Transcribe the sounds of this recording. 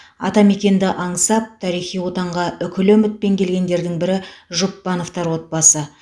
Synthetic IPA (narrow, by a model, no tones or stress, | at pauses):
ɑ̰t̪ɑme̞kʲe̞nd̪ɪʔɑɴəsɑp̚t̪ʰɑɾijχijwo̞t̪ɑɴʁɑʏkʲɪlɵmɪt̪̚pe̞ŋkʲʰe̞lɡʲe̞nd̪e̞ɾd̪ɪŋbɪɾɪʒʊpːɑno̞ft̪ɑɾwo̞t̪̚bɑsə